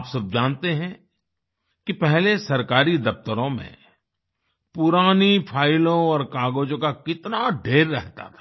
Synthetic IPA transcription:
psɐb̚d͡ʒaːnt̪eɦɛ̃ | kipɛɦlesɐɾkaːɾid̪ɐpt̪əɾõmḛ̃ | pʊɾaːnipʰaːɪlõɔːɾkaːɡoːd͡ʒõkakɪt̪naɖʱeːɾːɛɦt̪a̰t̪ʰḁ

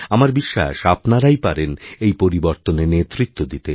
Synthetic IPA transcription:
amaɾbiʃːa̰ʃapnaɾajpaɾenejpoɾiboɾt̪onenet̪ɾit̪ːod̪it̪e

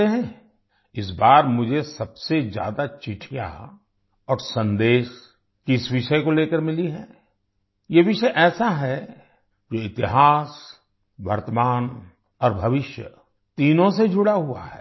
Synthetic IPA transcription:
eɦɛ̃ | ɪs̬baːɾmʊd͡ʒʱesɐbsezja̰ːd̪at͡ʃɪʈʰija̰ | ɔːɾsɐ̃nd̪eːʃ | kɪsʋɪʃəekoleːkəɾmɪliɦɛ̃ː | jeʋɪʃəʔɛːsaɦɛ | d͡ʒoːɪt̪ɪɦaːs | ʋɐ̰ɾt̪əmaːn | ɔːɾbʱɐʋɪʃjə̰ | t̪iːnõsed͡ʒʱʊɽaɦua̰ɦɛ̰ː

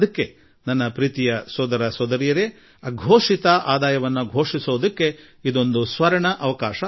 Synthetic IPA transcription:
ɐkːe̞ | nɐnːɐpɾiːt̪ijɐsoːd̪ɐɾɐsoːd̪ɐɾijɐɾe | ɐɡʱoːʂit̪ɐʔaːd̪aːjɐʋɐnːuɡʱo̞ːʂisoːd̪ɐkːe̞ | id̪o̞nd̪usʋɐɾɐɳɐʔɐʋɐkaːʂɐ

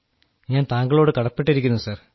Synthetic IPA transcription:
ɲaːnt̪aːŋɡɐɭo̞ːɽɨkɐɽɐpːeʈːiɾikʲːunːusaːr

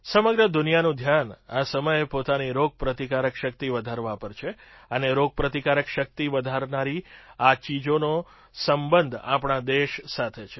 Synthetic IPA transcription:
səməɡɾəd̪ʊnijanũd̪ʱjanasəməjepot̪aniɾoɡ̚pɾət̪ikaɾəkʃək̚t̪iʋəd̪ʱaɾʋapəɾt͡ʃʰe | əneɾoɡ̚pɾət̪ikaɾəkʃək̚t̪iʋəd̪ʱaɾnaɾiat͡ʃid͡ʒono | səmbənd̪ʱa̰pɳ̃ad̪eʃsat̪ʰet͡ʃʰe

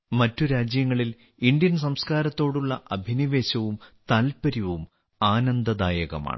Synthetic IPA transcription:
mɐtːuɾaːd͡ʑjɐŋːɐɭil | ind̪jɐns̬ɐmskaːɾɐt̪ːo̞ːɽuɭːɐʔɐbʱiniʋe̞ːɕɐʋumt̪aːlpɐɾiʋum | aːnɐnd̪ɐd̪aːjɐɣɐma̰ːɳɨ

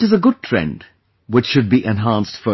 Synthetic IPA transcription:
ɨzəɡʊd̚tʰɹ̥ɛ̰̃nd | wɪt͡ʃʃʊd̚biʔɛ̃nɦæ̃ˑnstfə

